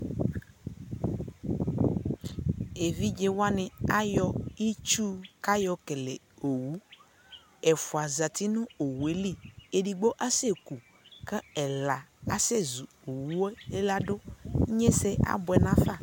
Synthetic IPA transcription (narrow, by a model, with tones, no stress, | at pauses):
e˨vi˦d͡ʒe˦wa˦nẽ˨a˦jɔ˦i˦t͡ʃu˦ka˦jɔ˦ke˨le˨ | o˨wu˦ | ɛ˨fo˨a˨za˨t̪i˦nũ˦o˨wu˨e˨˦li˦˨e˨ɖi˨ɡ͡bo˦ʔa˦se˦ku˨ | ke˦ɛ˨la˨a˦se˦zu˨ | o˨wu˦we˦e˦la˦ɖo˦ɲẽ˦se˦a̰˦bo˨ɛ˨nã˦fa˦˨